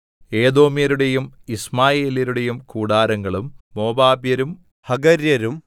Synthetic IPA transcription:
e̞ːd̪o̞ːmjɐɾuɽe̞jumismaːjeːljɐɾuɽe̞jumkuːɽaːɾɐŋɡɐɭumːo̞ːbaːbjɐɾum | hɐɡɐɾjɐɾum

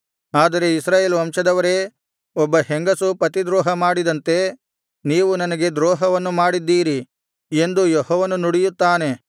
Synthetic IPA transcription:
aːd̪ɐɾe̞isɾaːjeːlʋɐmʂɐd̪ɐʋɐɾe̞ː | ɔbːɐheŋɡɐsupɐt̪id̪ɾɔːɦɐmaːɽid̪ɐnt̪e̞ | niːʋunɐnɐɡe̞d̪ɾɔːɦɐʋɐnːumaːɽid̪ːiːɾi | e̞nd̪ujɔhɔːʋɐnunuɽijut̪ːaːne̞

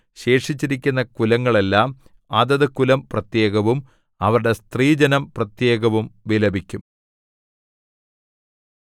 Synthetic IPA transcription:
ɕe̞ːʂit͡ɕːiɾikʲːunːɐkulɐŋːɐɭe̞lːaːm | ɐðɐðɨkulɐmprɐt̪je̞ːɣɐʋum | ɐʋɐɾɽe̞st̪riːd͡ʑɐnɐmprɐt̪je̞ːɡɐʋumʋilɐbʱikʲːum

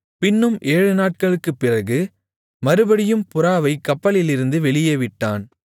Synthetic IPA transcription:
pɪnːɯmʔeːɻɯnaːʈ̚kɐɭɯkːɯpːɪrɐɣɯ | mɐɾɯbɐɽɪjɯmpʊɾaːʋɐɪkːɐpːɐlɪlɪɾɯnd̪ɯʋɛɭɪjɐʋɪʈːaːn

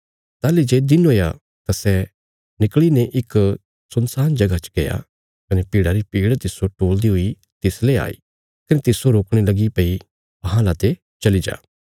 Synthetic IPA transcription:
t̪aːlid͡ʒeːd̪ɪnɦoːja | t̪asɛ | nɪkɭineʔɪk | sɐnsaːnd͡ʒɐɡat͡ʃɡɐja̰ | kɐnɛpiːɽaɾipiːɽt̪ɪsoʈoːld̪iɦʊi | t̪ɪslea̰ːḭː | kɐnet̪ɪsoɾoːkɽ̃elɐɡipɐi | ɐɦãlaːt̪e | t͡ʃɐlid͡ʒa̰ː

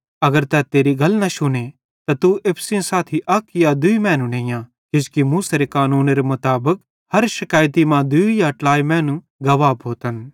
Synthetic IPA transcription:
ɐɡəɾt̪ɛt̪eːɾiɡɐlnɐʃʊne | t̪at̪uepʰsĩsaːt̪ʰiʔɐkjad̪ʊimɛ̃ːnũnẽːjã | kɪskimuːseɾekaːnuːnɾemʊt̪aːbək | hɐɾʃɪkaːjt̪̬imãd̪ʊijaʈlaːimɛ̃ːnũ | ɡɐʋaːbɦoːt̪ən

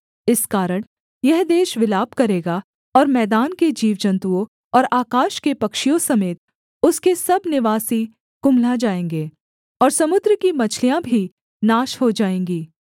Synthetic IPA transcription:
ɪskaːɾəɽ̃ | jɛɦd̪eːʃʋɪlaːbkɐɾeːɡa | ɔːɾmɛːd̪aːnked͡ʒiːʋd͡ʒɐ̃nt̪uõ | ɔːɾaːkaːʃkepɐkʃijõsɐmeːt̪̚ | ʊskesɐbnɪʋaːsi | kʊmlad͡ʒaːẽːŋɡeː | ɔːɾsɐmʊd̪ɾəkimɐt͡ʃʰlijãbʱi | naːʃɦod͡ʒaːẽːŋɡiː

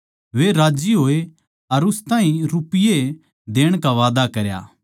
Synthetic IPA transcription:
ʋeɾaːd͡ʒiɦoːe | ɐɾʊst̪aːɦĩɾʊpɪje | d̪eːɽ̃kaʋaːd̪akɐɾja̰ː

